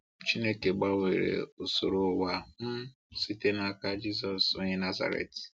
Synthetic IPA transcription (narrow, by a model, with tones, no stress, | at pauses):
t͡ʃi˦ne˦ke˨ɡ͡ba˦we˨ɾḛ˨o˨so˨ɾo˨˦wa˦m̩˦ | si˦te˦na˦ka˦d͡ʒi˦zɔ˨so˦ɲe˦na˦za̰˨ɾḛ˨t